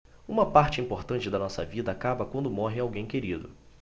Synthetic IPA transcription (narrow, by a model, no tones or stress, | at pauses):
ũmɐpaɾt͡ʃɪĩmpoɾt̪ɐ̃nt͡ʃɪd̪ɐnɔsɐ̰vid̪ɐːkabɐkwɐ̃nd̪ʊmɔɦɪawɡẽj̃keɾid̪ʊ̰